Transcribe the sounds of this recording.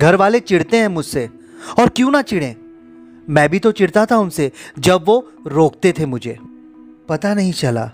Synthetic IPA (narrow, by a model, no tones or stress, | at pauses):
ɡʱɐɾʋaːlet͡ʃɪɽt̪eɦɛ̃mʊd͡ʒʱse | ɔːɾkjũːnat͡ʃɪɽẽː | mɛ̃ːbʱit̪ot͡ʃɪɽt̪at̪ʰaʊnsed͡ʒɐbʋo | ɾoːk̚t̪et̪ʰemʊd͡ʒʱeː | pɐt̪anɐɦĩt͡ʃɐla̰ː